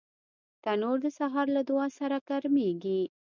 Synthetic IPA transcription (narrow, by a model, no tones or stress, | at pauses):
t̪anoɾd̪əsaɦɑɾlad̪ʊɑsaɾakaɾmeɡi